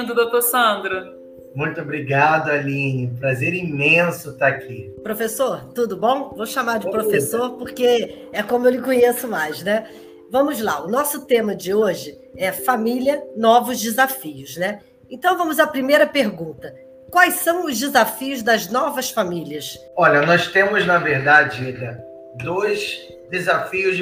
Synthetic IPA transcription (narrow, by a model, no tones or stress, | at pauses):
d̪ʊd̪ot̪oɾsɐ̃d̪ɾɐ | mũj̃t̪obɾiɡad̪ʊalĩnɐ̃pɾazeɾimẽsʊt̪aakʰipɾofesoɾt̪ud̪ʊbõw̃voʃamaɾd͡ʒɪpɾofesoɾpoχke | ɛkõmʊewlɪkõɲesʊmajznɛ | vɐ̃mʊzla̰ʊnɔsʊt̪ẽmɐd͡ʒɪoʒɪ | ɛfamiliɐnɔvʊzd͡ʒɪzafiʊznɛ | ẽnt̪ɐ̃w̃vɐ̃mʊzapɾimejɾɐpeɾɡũnt̪ɐ | kwajsɐ̃w̃ʊzd͡ʒɪzafiʊzd̪ɐznɔvɐsfamiliɐs | ɔlɐnɔst̪ẽmʊznɐveɾd̪ad͡ʒɪiʎɐ | d̪ojz | d̪ezafiʊzd͡ʒ